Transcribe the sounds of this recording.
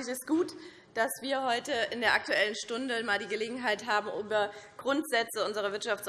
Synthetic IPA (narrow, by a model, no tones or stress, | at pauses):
ɪçɛsɡ̥uːt | d̥asv̥iːɐɦɔʏtəʔɪndeːɐʔak̚tuɛlənʃtʊndəmaːldiːɡəleːɡŋ̩ɦaɪtɦaːbm̩ʔuːbɐɡ̥ʁʊntz̥ɛt͡səʊnzəʁ̞ɐvɪɐtʃaft͡s